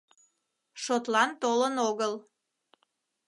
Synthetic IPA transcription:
ʃot̪lɑnt̪olənoɣəl

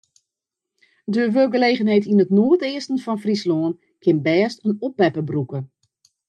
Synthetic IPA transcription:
døəʋølˠɡəleːɣənɦejtinətnoətɪəstən̩fɔnfrisloːn | kʰɪnbɛːstənɔpːɛpəbrukə

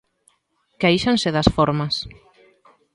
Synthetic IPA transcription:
kejʃansɪðɐsfoɾmɐs

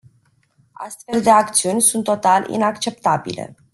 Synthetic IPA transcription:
a̰st̪fe̞ld̪e̞akt̪siunʲsunt̪ːo̞t̪alḭnakt͡ʃe̞p̚t̪abḭle̞̰

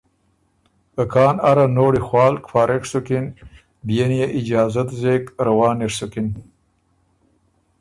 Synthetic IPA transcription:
əkʰɑːnaɾanoːɽixwɑːlkfɑːɾʔeksukin | bijenjeʔɪd͡ʒɑːzat̪zekɾawɑːniɾsukin

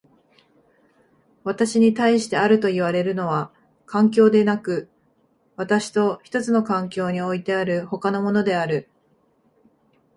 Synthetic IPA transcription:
βat̪aɕiɲ̟it̪aiɕi̥t̪e̞aɾɯ̟t̪o̞iβaɾe̞ɾɯ̟no̞βa | kʰãŋkʲo̞ːd̪e̞nakɯ̟ | βat̪aɕi̥t̪o̞çi̥t̪o̞t͡sɨno̞kãŋkʲo̞ːɲ̟io̞it̪e̞aɾɯ̟ho̞kano̞mo̞no̞d̪e̞aɾɯ̟

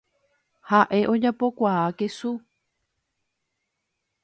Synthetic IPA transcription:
haʔe̞ʔo̞d͡ʒapo̞kʷaakesu

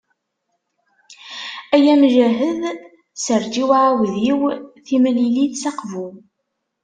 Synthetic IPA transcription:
æjæmʒæɦəð | səɾd͡ʒiwʕawðjiwθimliliθsɑqvu

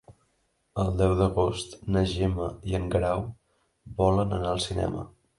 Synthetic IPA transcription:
əlˠd̪ɛwðəɣost̪nəʒeməiəŋɡɾaw | βɔlənənaəlˠsinɛ̰mə̰

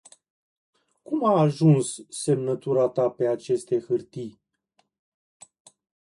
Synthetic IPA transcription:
kumaːʒunsːe̞mnət̪uɾat̪ape̞at͡ʃe̞st̪e̞xɨrt̪ij

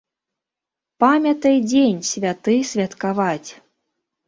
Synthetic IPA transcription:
pamʲɐt̪ɐjd͡zʲenʲsʲvʲat̪ɨsʲvʲat̪kavat͡sʲ

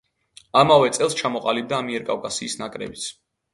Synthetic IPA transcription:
amavɛt̪sʼɛlˠst͡ʃʰamɔqʼalib̚d̪aːmiɛɾkʼawkʼasiːsnakʼɾɛ̰bit̪sʰ

